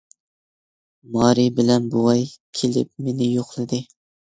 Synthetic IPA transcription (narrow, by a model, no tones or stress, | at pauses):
mɑːɾibɪlɛnbuwɑjkʲʰelɪ̰p̚menɪjoχlˠɨd̪ɨ